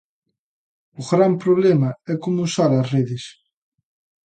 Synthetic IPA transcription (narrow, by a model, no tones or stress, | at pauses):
ʊɣɾampɾoβlɛmɐɛkomuusaɾɐsreðes